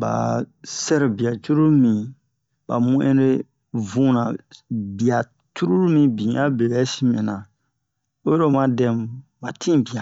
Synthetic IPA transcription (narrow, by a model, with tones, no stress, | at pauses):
ba̰˨sɛ˦ɾbi˨a˨t͡ʃu˦ɾu˦ɾmĩ˨ | ba̰˨mũ˦ʔḛ̃˦ɾe˦ | vũ˦nã˨bi˨a˨ | t͡ʃu˦ɾu˦ɾmĩ˨bĩ˨˦a˦be˨bɛ˨˦si˦mɛ̃˨nã˨ | o˦jo˦ɾo˦mã˨dɛ̃˦mba˨tʰĩ˦bi˨a˨